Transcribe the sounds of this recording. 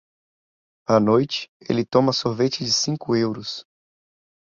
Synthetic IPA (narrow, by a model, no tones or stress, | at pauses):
ɐnojt͡ʃɪ̥ḛlɪt̪õmɐsoɾvet͡ʃɪd͡ʒɪsĩkʊewɾʊs